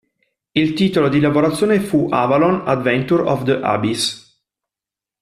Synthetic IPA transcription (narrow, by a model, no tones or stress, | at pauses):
ilt̪iːt̪olod̪ilavoɾat̪sːjoːnefuʔa̰valonad̪vɛnt̪uɾɔ̰vd̪əʔa̰bis